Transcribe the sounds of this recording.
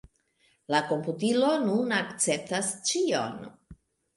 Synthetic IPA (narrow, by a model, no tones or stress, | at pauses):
lako̞mputilo̞nunakt͡se̞p̚tast͡ʃio̰n